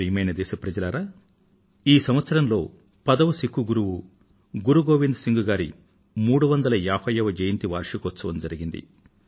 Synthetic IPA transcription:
iːmɐjnɐd̪eːʃɐpɾɐd͡ʒɐlaɾaː | iːsɐmʋɐt̪sɐɾɐnlo̞̰ː | pɐd̪ɐʋusikːuɡuɾuʋu | ɡuɾuɡoːʋind̪siŋɡuɡaːɾḭ | muːɽuʋɐnd̪ɐlɐjaːpʰɐjɐʋɐd͡ʒejint̪iʋaːɾʂukɔt̪sɐʋɐmd͡ʒɐɾiɡind̪ḭ

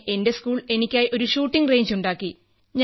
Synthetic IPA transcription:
ʔe̞nde̞skuːɭe̞nikʲːaːjʔo̞ɾuʂuːʈːiŋreːɲd͡ʑuɳɖaːkːi | ɲ

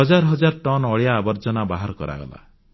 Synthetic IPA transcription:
ɔd͡ʒaɾɦɔd͡ʒaɾʈɔnɔɭjaːbɔɾd͡ʒɔnabaɦaɾkɔ̰ɾa̰ɡɔ̰la̰

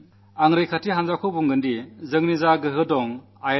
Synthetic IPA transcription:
aŋɾɯjkʰatiɦanzakʰɔbuŋɡɯndizɯŋnizaɡɯɦɯdɔŋ | aj

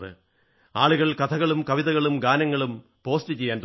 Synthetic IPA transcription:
ðɨ̰ | aːɭuɣɐɭkɐt̪ʰɐɣɐɭumkɐʋiðɐɣɐɭumɡaːnɐŋːɐɭum | po̞ːstɨt͡ɕe̞jːaːnt̪

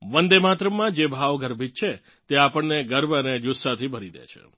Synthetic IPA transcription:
ʋənd̪emat̪ɾəmːãd͡ʒebʱaʋɡəɾbʱit̪̚t͡ʃʰe | t̪eapəɳneɡəɾbəned͡ʒusːat̪ʰibʱəɾid̪ḛt͡ʃʰḛ

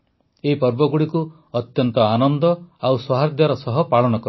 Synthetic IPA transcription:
eipɔɾbɔɡuɽiku | ɔt̪jɔnt̪ɔanɔnd̪ɔawswɔɦad̪jaɾɔsɔɦɔpaɭɔnɔkɔɾ

